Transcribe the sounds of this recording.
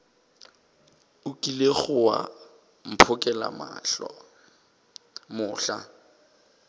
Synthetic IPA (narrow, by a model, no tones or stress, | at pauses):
ʊkʼileχʊwa̰ | m̩pʰʊkʼɛla̰ma̰ɬɔ̰ | mʊːɬa̰